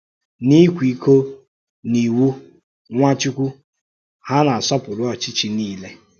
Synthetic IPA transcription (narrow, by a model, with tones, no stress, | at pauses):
ni˦kʷi˨˦ko˦ | ni˨wu˦ | ŋʷa˦t͡ʃu˦kʷu˦ | ha˦na˨a˨sɔ˦pʊ˨ɾʊ˦ɔ˨t͡ʃi˦t͡ʃi˨niː˦le˦